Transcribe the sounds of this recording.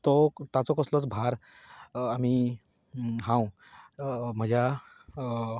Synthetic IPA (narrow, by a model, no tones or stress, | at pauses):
t̪ɔt̪at͡sɔkɔslot͡sbʱaɾ | ami | ɦãw̃ | m̤əd͡ʑʱja